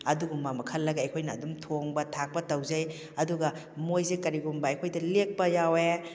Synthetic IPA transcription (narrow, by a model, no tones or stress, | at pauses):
ɐduɡumbamɐkʰɐlːɐɡɐɐjkʰojnɐːdumtʰoŋbɐtʰak̚pɐtɐwzɐj | ɐduɡɐ | mojzekɐɾiɡumbɐɐjkʰojdɐlek̚pɐjawe